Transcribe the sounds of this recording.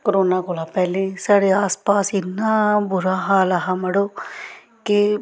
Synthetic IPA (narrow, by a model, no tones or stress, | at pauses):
kəɾoːnaːkoːlaːpɛːlẽːsaːɽeːaːspaːsɪnːaːbʊɾaːɦaːləɦaːməɽoː | kɪ